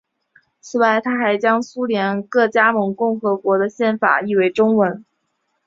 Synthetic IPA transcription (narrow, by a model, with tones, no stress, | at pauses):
t͡sʰɹ̩˨˩wa˥˩ɪt̪ʰa˥xa˧˥ɪt͡ɕjɑ˥ŋsu˥ljɛ˧˥nkɤ˥˩t͡ɕja˥mɤ˧˥ŋkʊ˥˩ŋxɤ˧˥kwɔ˧˥d̪ə˧ɕjɛ˥˩nfa̰˨˩i˥˩we˧˥˩ɪʈ͡ʂʊ˥ŋwə˧˥n